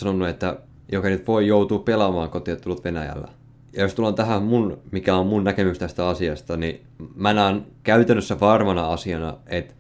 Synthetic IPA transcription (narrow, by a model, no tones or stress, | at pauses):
sɑnonːuet̪ːæ | jokɑnyt̪ʋoijout̪uːpelɑmɑːŋkot̪iɑt̪t̪ːulːut̪ʋenæjæ̰lːæ̰ | jɑjost̪ulont̪æɦæmunmikæommunnækemykst̪æst̪æɑsiɑst̪ɑni | mænɑːnkæyt̪ænːøsːæʋɑrmɑnɑɑsiɑnɑ̰et̪